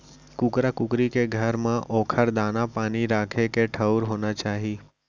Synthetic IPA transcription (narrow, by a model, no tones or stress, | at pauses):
kʊkɾakʊkɾikeɡʱəɾmãʔɔːkʰəɾd̪aːnapaːniɾaːkʰekeʈʰəwɾɦoːnat͡ʃaːɦiː